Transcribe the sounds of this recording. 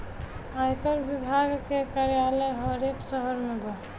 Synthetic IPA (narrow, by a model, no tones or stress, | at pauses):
ajkəɾbibʱaɡkekaɾijaləjɦʌɾeksəɦəɾmuɡɔ